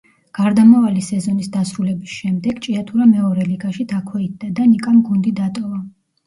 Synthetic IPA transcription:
ɡ̥aɾd̪amavalisɛzɔnisd̪asɾulɛbisʃɛmd̪ɛɡt͡ʃʼiat̪ʰuɾamɛɔɾɛliɡaʃid̪ʰakʰwɛit̪̚d̪ad̪anikʼamɡund̪id̪at̪ʼɔva

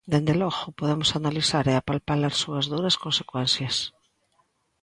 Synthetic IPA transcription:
d̪end̪eloɣʊpoðemosanaliθaɾeapalpalaɾsuazðuɾaskõnsekwɛnθjas

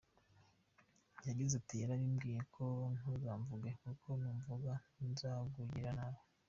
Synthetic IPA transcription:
jaɟizatijaɾaɾimɡiːjekʰo̞ŋuzaːɱvuɡekukʰo̞nuːɱvuɡainzaɡuɟiɾanaβo

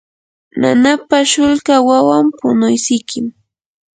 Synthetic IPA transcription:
na̰napaʃʊlkawawampʊnʊjsɪjkɪm

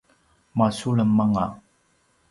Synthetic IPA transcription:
masuɭəmːaŋa

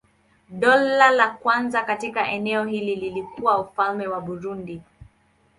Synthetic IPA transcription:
ɗɔlalakwanzakatikaʔɛnɛɔɦilililikuwaufalmɛwaɓuɾundi

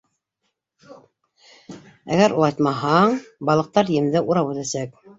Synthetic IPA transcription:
æ̰ɡæɾʔulˠɑt̪mɑɦɑɴbɑlˠɤ̆q̚t̪ɑɾjɘ̆md̪ɘʔuɾɑpʉt̪æsæk

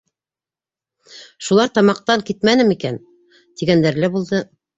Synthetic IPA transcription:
ʃulˠɑɾt̪ɑmɑq̚t̪ɑŋkit̪mænɘmikæn | t̪iɡænd̪æɾlæbulˠd̪ɤ

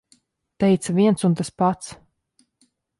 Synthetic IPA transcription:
t̪ɛjt̪saviɛnt̪sunt̪aspat̪s

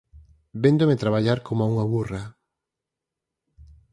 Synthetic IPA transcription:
bend̪omet̪ɾaβaʎaɾkʰomoauŋaβura

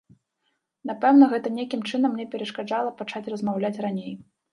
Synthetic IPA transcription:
n̪apɛwnɐɣɛt̪ɐnʲekʲimt͡ʂɨnɐmːnʲɛpʲɛɾɐʂkad͡ʐalˠɐpat͡ʂat͡sʲrɐzmawlʲat͡sʲranʲej

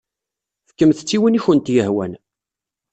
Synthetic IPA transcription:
fəkːəmθət͡sːiwəniçənt̪jəhwæ̰n

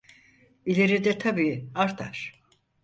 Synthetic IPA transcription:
ilʲe̞ɾid̪ɛt̪ʰabiːaɾt̪ʰa̰ɾ̥

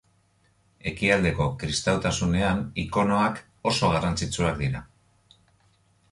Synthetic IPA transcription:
e̞kiald̪e̞ko̞kɾist̪awt̪asune̞aniko̞no̞ak | o̞so̞ɣarant͡sit͡suak̚d̪iɾa

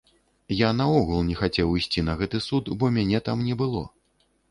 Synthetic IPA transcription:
janɐɔɣulˠnʲɛxat͡sʲɛwijsʲt͡sʲinɐɣɛt̪ɨsut̪bɔmʲanʲɛt̪amnʲɛbɨlˠɔ̰

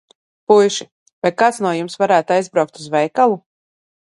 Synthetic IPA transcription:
pujʃi | vajkaːt̪snuɔjumsvaɾæːt̪uajzbɾawk̚t̪uzvɛjkalˠu

